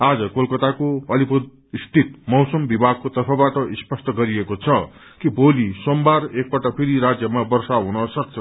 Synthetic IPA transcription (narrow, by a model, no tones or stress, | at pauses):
ad͡zʌkolkʌt̪akoʌlipud̪̚ | ist̪ʰit̪̚mʌwsʌmbibʱaɡ̚kot̪ʌrpʰʌbaʈʌʔispʌsʈ̪ʌɡʌɾiekot͡sʰʌ | kibʱolisombarek̚pʌʈʌpʰiɾiɾad͡zjʌmabʌrsaɦunʌsʌk̚t͡sʰʌ